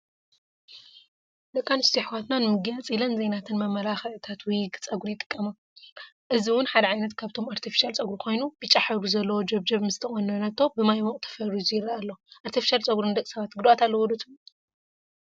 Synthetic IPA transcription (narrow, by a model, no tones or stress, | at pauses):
d̪ɐkʼːanst̪ʰiħwat̪nanɨmɨɡɐnt͡sʼilɐnzejnat̪ʰɨnmɐmːɐlaxɐɨt̪ʰat̪wɔjɡt͡sʼɐɡuɾjɪt̪ʼɨ̥kʼːɐma | ʔɨziwʊnħad̪ɐʕajnɐt̪kʰaβt̪ʰo̞maɾt̪ʰifi̥ʃalt͡sʼɐɡuɾukʰo̞jnubit͡ʃʼːaħɐɾuzɐlːɐwod͡ʒɐβd͡ʒɐβmɨzt̪ʰɐxʼonɐnɐt̪ʰːo̞bɨmajmoʔʼt̪ʰɐ̥fɐɾizɨjɪɾaalːoʔaɾt̪ʰifi̥ʃalt͡sʼɐɡuɾɨnɨd̪ɐkʼsɐβat̪ɡɨd̪uat̪ʰalːɐwɔd̪ɐt͡s̪ʼu